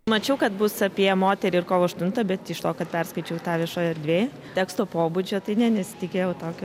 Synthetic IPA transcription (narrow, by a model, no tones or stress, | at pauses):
mɐt͡ʃʲɛʊkɐt̪bʊsɐpʲiɛmoːt̪ʲɛɾʲɪɪrkoːʋoːɐʃt̪ʊnt̪ɐbʲɛt̪ɪʃt̪oːkɐt̪pʲɛrskɐɪt͡ʃʲɛʊt̪ɑːʋʲiɛʃoːjɐrd̪ʲʋʲeː | t̪ʲæːkst̪oːpoːbʊd͡ʒʲoːt̪ɐɪnʲɛnʲɛsʲɪ̥t̪ʲɪkʲeːjɛʊt̪oːkʲoː